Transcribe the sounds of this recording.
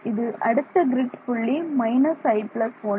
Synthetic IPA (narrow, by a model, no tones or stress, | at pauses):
ɪðɯʔɐɽɯt̪ːɐɡɾɪʈːpʊɭːimɐɪnɐsɐɪpɭɐsoː